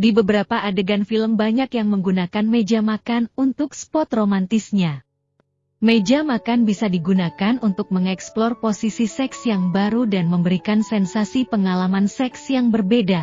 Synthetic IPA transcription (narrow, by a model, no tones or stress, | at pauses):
dibəbəɾapaʔadəɡanfiləmbaɲakjaŋməŋɡunakanmed͡ʒamakanunt̪ʊkspɔt̪romant̪isɲa | med͡ʒamakanbisadiɡunakanunt̪ʊk̚məŋɛksplɔrposisisɛksjaŋbaɾudanməmbəɾikansɛnsasipəŋalamansɛksjaŋbərbeda